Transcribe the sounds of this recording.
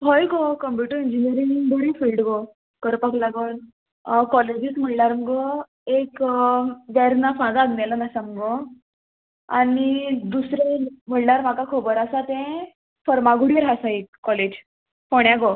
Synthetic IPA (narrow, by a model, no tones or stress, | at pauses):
ɦojkokəmpjuʈəɾind͡ʑiniəɾiŋboɽifilɖɡo | kəɾpaklaɡən | kɔled͡ʑit̪m̤əɳnaɾməɡo | ek | ʋɛɾnafãd̪aːɡnalanasaməɡo | a̰nid̪usɾem̤əɳnaɾm̤akakʰobəɾasat̪ẽ | fəɾmaɡuɽiɾɦasaikːɔled͡ʑ | poɽ̃jaɡo